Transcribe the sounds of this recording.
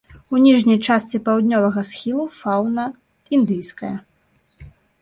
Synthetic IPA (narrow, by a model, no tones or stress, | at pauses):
unʲiʐnʲɐjt͡ʂast̪t͡s̪ʲipɐwd̪ʲnʲɔvɐɣɐsxʲilˠufawnɐ | ind̪ɨjskɐjɐ